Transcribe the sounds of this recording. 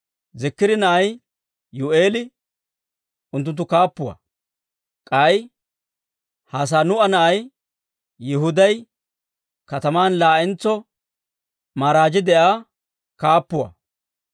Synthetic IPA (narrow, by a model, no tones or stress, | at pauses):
zɪkːɪd̪ɪnɐʔɐj | jʊʔe̞ːlɪ | ʔʊnt̪̬ːʊnt̪̬ːʊkaːpːʊwɐ̰ | kʼɐj | haːs̬aːnʊɐnɐʔɐjː | ɪɦʊd̪ɐj | kɐt̪ɐmaːnlaːʔɛnt͡sːɔ | maːɾaːd͡ʒɪd̪ɛʔaː | kaːpːʊwɐ̰